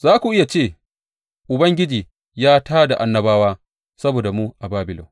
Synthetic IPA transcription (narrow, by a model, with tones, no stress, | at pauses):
zaː˦kʷu˨ʔɪ˦ja˨t͡ʃeː˦˨ | ʔʊ˨bɐ˦ŋɡʲɪ˦d͡ʒiː˨ | jaː˦taː˦da˨ʔa˦nːɐ˦baː˦waː˦ | sɐ˦boː˨da˨muː˦ʔa˨baː˦bɪ˨lo̰˨